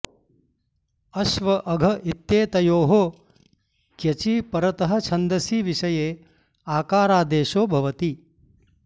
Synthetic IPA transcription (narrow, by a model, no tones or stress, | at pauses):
ɐʃʋɐʔɐɡʱɐʔit̪jeːt̪ɐjoːɦoː | kjɐt͡ʃiːpɐɾɐt̪ɐɦɐ̆t͡ʃʰɐnd̪ɐsiːʋiʃɐjeː | aːkaːɾaːd̪eːʃoːbʱɐʋɐt̪i